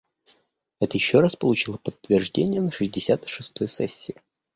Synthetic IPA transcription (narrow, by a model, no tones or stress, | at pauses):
ɛt̪əjɪɕːoɾaspəlˠʊt͡ɕilˠəpət̪ːvʲɪrʐdʲenʲɪjənəʂɨzʲdʲɪsʲat̪ɨʂɨst̪o̞jsɛsʲːɪɪ